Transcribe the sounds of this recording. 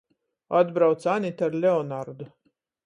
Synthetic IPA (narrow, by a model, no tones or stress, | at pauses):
ad̪bɾawt̪sanʲit̪aɾlʲeɔnaɾd̪u